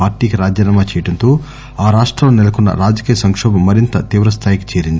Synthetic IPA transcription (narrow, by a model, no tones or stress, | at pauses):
aːɾʈiːkiɾaːd͡ʒjɐnaːmaːt͡ʃɛːjɐʈɐnt̪oː | aːɾaːʂʈɾɐːloːnɛlɐkunːɐ̰ɾaːd͡ʒɐkiːjɐsɐŋkʂɔːbɐmːɐɾint̪ɐt̪iːʋɾɐst̪ʰaːjiki̥t͡ʃeːɾind̪i